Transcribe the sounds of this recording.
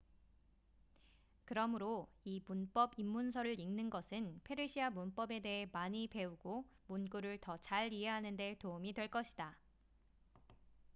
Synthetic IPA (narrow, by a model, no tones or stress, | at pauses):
kɯɾʌmɯɾoimunp͈ʌbimːunsʰʌɾɯɾiŋnɯnɡʌsʰɯnpʰe̞ɾiɕʰiamunp͈ʌbe̞de̞ɦe̞maɲipe̞uɡomunɡuɾɯɭtʌt͡ɕaɭiɦe̞ɦanɯnde̞toumidwe̞ɭk͈ʌɕʰida